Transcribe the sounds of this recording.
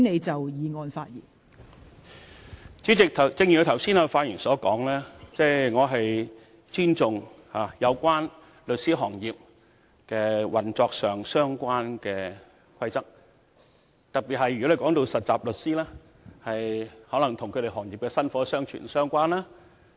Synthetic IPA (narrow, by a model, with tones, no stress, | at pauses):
ne˨˧jt͡sɐ˨wjiː˨˧ŋɔː˨˧nfa̰ː˧t̚jḭː˨˩n | t͡syː˨˥t͡sɪ˨k̚t̪ʰɐ˨t͡sɪ˧ŋji˨˩˨t̪ʰwsiː˥naː˧faː˧t̚ji˨˩nsɔː˨˥kɔː˨˥ŋlɛː˥t͡sɛː˥˩jŋɔː˨˧ɦɐ˨j | t͡ʃyː˥nt͡sʊ˨ŋ | haː˨˩jɐ˨˧wkʷaː˥n | lɵ˨t̚siː˥ɦɔː˨˩ŋjiː˨˩p̚ | kɛː˧wɐ˨nt͡sɔː˧k̚sœː˨˩ŋsœː˥ŋkʷaː˥nkɛː˧ | kʰɐ˥jt͡sɐ˥k̚ | t̪ɐ˨k̚pi˨t̚hɐ˨˩jɥɔ˨˥e˨jkɔː˨˥ŋt̪o˧wsɐ˨t̚t͡saː˨p̚lɵ˨t̚siː˥lɛː˥ | hɐ˨jhɔː˨˥lɐ˨˩ŋt̪ʰʊ˨˩ŋkʰɵ˨˧ɾe˨˩hɔː˨˩ŋji˨p̚kɛː˧sɐ˥nfɔː˨˥sœː˥ŋt͡ʃʰy̰˨˩nsœː˥ŋkʷaː˥nlaː˥